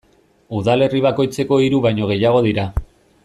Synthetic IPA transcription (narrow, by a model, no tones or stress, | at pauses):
uðale̞riβ̞ako̞jt͡se̞ko̞iɾuβajɲo̞ɣ̞e̞jaɣ̞o̞ðiɾa